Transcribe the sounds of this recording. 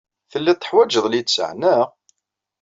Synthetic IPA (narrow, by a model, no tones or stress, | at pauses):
θəlːæt̪ːə̥ħwæd͡ʒəðˤlit̪sə̰ʕnə